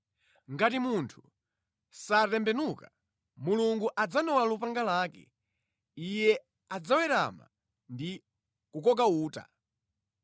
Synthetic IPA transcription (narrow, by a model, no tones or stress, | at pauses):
ŋɡatimuntʰu̥ | satɛmbɛnuka | muluŋɡuʔad͡zanɔwalupaŋɡalaːkɛ̰ | ijɛ | ad͡zawɛɾa̰ma̰ | ndi | kukɔk̬auːta̰